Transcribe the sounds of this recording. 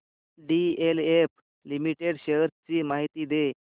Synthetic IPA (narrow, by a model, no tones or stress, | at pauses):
ɖielep | limiʈeɽɕeɾt͡ɕiːmaɦit̪iːd̪e